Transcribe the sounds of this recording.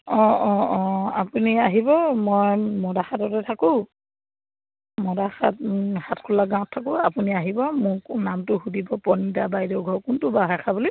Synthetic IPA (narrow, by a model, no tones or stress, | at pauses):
ɔ̃ɔ̃apuniaɦibɔmɔjmɔdaxatɔtɛtʰakʊ̃ | mɔdaxa̰t̚hatkʰulaɡãw̃ɔtʰːak̬ʊ̃apuniaɦibɔmʊɹnamtʊxudibɔpɔnidabajdɔɡʱɔɹkʊntʊbaɦaxʰabuli